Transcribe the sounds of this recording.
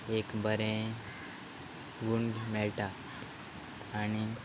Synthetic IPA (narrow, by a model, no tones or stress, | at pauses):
ekbʱəɾẽ | ɡuɳɖmeɭʈa | ñi